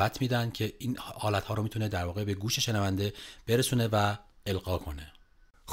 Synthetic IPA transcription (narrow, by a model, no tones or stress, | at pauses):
æt̪ʰmiːd̪ænd̪̚cʰe̞iːnhɒːlæt̪hɒːɾomiːt̪ʰuned̪æɾvɒːɣe̞beɡuːʃe̞ʃenævænd̪e̞b̥e̞ɾesuːne̞væelɢɒːkʰo̞ne̞ | x